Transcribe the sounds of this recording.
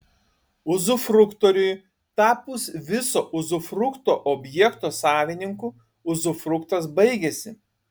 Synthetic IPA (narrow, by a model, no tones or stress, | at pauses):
ʊzʊfɾʊkt̪ɔɾʲʊj | t̪ɑːpusʋʲɪsoːʔʊzʊfɾʊkt̪oːʔɔːbʲjɛɛkt̪oːsɑːʋʲɪnʲɪŋku | ʊzʊfɾʊkt̪ɐsbɐɪɡʲɛsʲɪ